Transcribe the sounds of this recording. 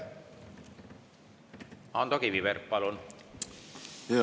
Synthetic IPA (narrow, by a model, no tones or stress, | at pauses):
ɑːnd̪okiʋiʋeɾpɑlon